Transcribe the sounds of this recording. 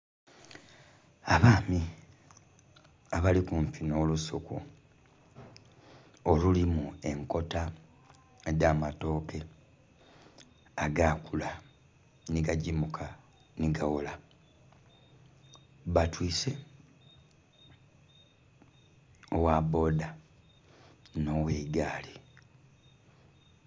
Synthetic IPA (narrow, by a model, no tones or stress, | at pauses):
aβaːmi | aβalikuɱpino̞ːlusokṵ | olulimue̞ŋko̞ta | eɟaːmato̞ːke̞ | aɡakula | niɡaɟimukʰa | niɡawola | βatwiːse | owabo̞ːda | no̞ːweːɡaːli